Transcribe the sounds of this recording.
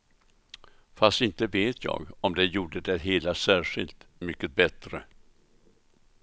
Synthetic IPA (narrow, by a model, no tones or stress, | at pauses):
fast̪ɪnt̪əveːt̪ʰjɑ̰ːɡɔmd̪ɛjuːɖəd̪ɛɦeːlasæːʂɪlt̪mʏkːət̪̚bɛt̪ɾə